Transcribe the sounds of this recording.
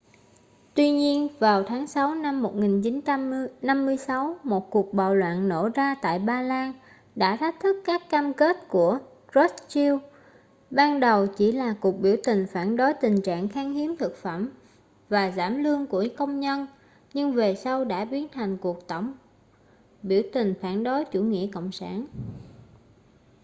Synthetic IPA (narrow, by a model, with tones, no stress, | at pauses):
t̪wi˧ɲi˧ənvaː˨˩wt̪ʰaː˨˦ŋsa˨˦wna˧mːo˨˩t̚ŋi˨˩nt͡ɕi˨˦n˧na˧mːɨ˧əjsa˨˦wmo˨˩t̚ku˨˩ək̚ɓa̰ː˧˨wlwa̰ː˧˨nno̰˧˩zaː˧t̪a̰ː˧˨jɓaː˧laː˧n | ɗa̰ː˧˥t̪ʰa˦˥k̚t̪ʰɨ˦˥kːaː˦˥kːaː˧mke˦˥t̚ku˧˩ə | zɔ˦˥st͡ɕi˧w | ɓaː˧nɗə˨˩wt͡ɕi˧˩laː˨˩ku˨˩ək̚ɓi˧˩əwt̪ï˨˩ŋ̟faː˧˩nɗo˨˦jt̪ï˨˩ŋ̟t͡ɕa̰ː˧˨ŋxaː˧ŋhi˨˦mt̪ʰɨ˨˩k̚fə˧˩m | vaː˨˩zaː˧˩mlɨ˧əŋku˧˩əkə˧wŋ͡mɲə˧n | ɲɨ˧ŋve˨˩sa˧wɗa̰ː˧˥ɓi˨˦ənt̪ʰa˨˩jŋ̟ku˨˩ək̚t̪ə˧˩wŋ͡m | ɓi˧˩əwt̪ï˨˩ŋ̟faː˧˩nɗo˨˦jt͡ɕu˧˩ŋḭ˧˥əko̰˧˨wŋ͡msa̰ː˧˩n